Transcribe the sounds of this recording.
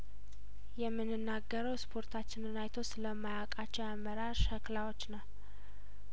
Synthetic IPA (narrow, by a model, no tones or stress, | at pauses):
jɛmːɨnːɨnːaɡːəɾəwspʰo̞ɾt̪ʰat͡ʃːɪnɨnajt̪ʰo̞sləmːajakʼat͡ʃːɛwamːəɾaʃhəklawo̞t͡ʃːnəw